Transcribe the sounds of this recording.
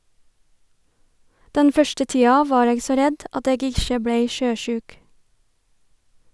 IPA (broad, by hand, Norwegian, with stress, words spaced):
ˈdɛn ˈfœʃtə ˈtiːɑ ˈʋɑːɾ ˈeːɡ ˈsoː ˈɾɛd ˈɑt ˈeːɡ ˈɪʃə ˈbɽeɪ ˈʃøːˌʃʉːk